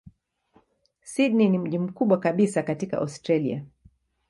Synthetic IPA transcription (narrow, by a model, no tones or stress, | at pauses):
sidninim̩ʄim̩kuɓwakaɓisakatika̰ʔɔ̰stɾalḭa̰